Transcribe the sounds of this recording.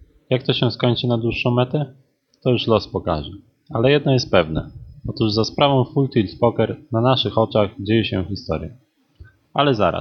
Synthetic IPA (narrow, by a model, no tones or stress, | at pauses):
jak̚t̪ɔɕɛ̃skɔɲt͡ʂɘnad̪wuʂːɔ̃w̃mɛt̪ɛ | t̪ɔjuʂlɔspɔka̰ʐɛ | alɛjɛd̪nɔjɛst̪̚pɛvnɛ̰ɔt̪uʐzaspɾavɔ̃w̃fult̪ilspɔkɛɾnanaʂɘxɔt͡ʂaɣd͡ʑejɛɕɛxʲist̪ɔ̰ɾjɛ | alɛza̰ɾa̰s